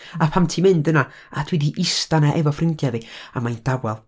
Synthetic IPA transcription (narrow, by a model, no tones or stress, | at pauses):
apʰamtʰimɪndəna | adʰwɛdiʔɪstanaʔɛvɔfrɪndjaviamajnd̥awɛlˠ